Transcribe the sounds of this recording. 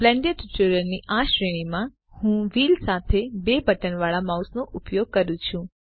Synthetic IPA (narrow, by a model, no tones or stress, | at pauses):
blɛ̃ɳɖəʈiʈuɾəɾniʔaʃɾəɽ̃imã | hũʋilsat̪ʰebebəʈənʋaɭamausnoʔʊpjoɡ̚kəɾũt͡ʃʰũ